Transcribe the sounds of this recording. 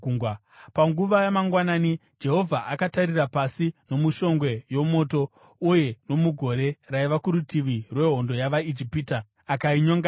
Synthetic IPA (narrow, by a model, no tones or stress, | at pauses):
w | paŋɡuʋajamaŋɡwanaːni | d͡ʒe̞ɦo̞vʱaʔakataɾirapasino̞muʃo̞ŋɡwe̞jo̞mo̞ːto̞ | uje̞no̞muɡʱo̞ɾe̞raiʋakuɾutiʋirwe̞ɦo̞ndo̞jaʋaid͡ʒipiːta | akaiɲoŋɡa